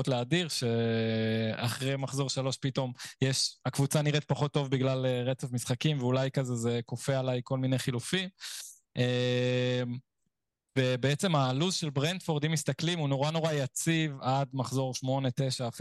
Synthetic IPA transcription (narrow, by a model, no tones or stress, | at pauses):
otleadiʁʃe̞ | a̰χʁejmaχzo̞ʁʃalo̞ʃpito̞mjeʃakvut͡saniʁet̪̚paχo̞tːo̞vbiɡlaleʁet͡sefmisχakimveulajkazeze̞ko̞fealajko̞lmine̞jχilufim | e | m | vebeet͡se̞maluzʃelbʁend̪fo̞ʁd̪imist̪aklimunoʁano̞ʁajat͡sivad̪maχzo̞ʁʃmo̞ne̞t̪eʃaːf